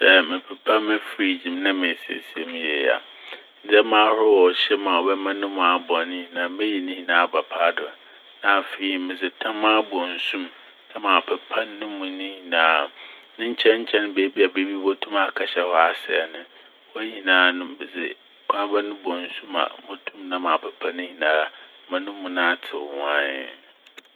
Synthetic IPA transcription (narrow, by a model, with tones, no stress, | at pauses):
sɛ˦mɪ̃˨pʰɛ˨pʰa˦mɪ̃˦fɾi˦d͡ʑĩ˨mnã˦mɪ̃˨si˨˦ḛ˨si˨e˨mĩ˦je˨a̰˨ | n̩˨d͡zɛ˦mãː˦hʊ˦wɔ˨ɕɛ˦mã˨wɔ˨bɛ˦mã˦nʊ̃˦mʊ̃˨a˨bɔ˨nɪ̃˦i˨nã˨mɛ̃˦ji˨nɪ̃˦hĩ˨nãː˨˦˨ba˨pʰaː˦dʊ˨ | nã˨fe˨i˨mɪ̃˨d͡zɪ˨tʰã˦mã˦bɔ̃˨n˨sũ˦mʰ | a˦mã˨pʰɛ˨pʰã˦nːʊ̃˦mũ˨nĩ˦hĩ˨nãː˦˨nɪ̃˦ɲ̩˦t͡ɕʰɛ̃˦ɲ̩˦t͡ɕʰɛ̃˦n˦beː˦bi˦a˨be˦bi˦bo˦tʰũ˦ma˨kʰa˨ɕɛ˦hɔ˦a˨sɪ̰˨ɛ˨nʊ̃˦ | wɔ˦ɲĩ˨nãː˨˦nʊ̃˦bɪ˨zɪ̰˨ | kʷʰa˦ba˦nʊ̃˦bɔ̃˨n̩˨sũ˦ma̰˨mɔ̃˦tʰũ˦mnã˦mã˨pʰɛ˨pʰã˦nɪ̃˦ɲĩ˨nãː˦˨˦mã˦nʊ̃˦mũ˨nã˦tʰɪ˨wã˦n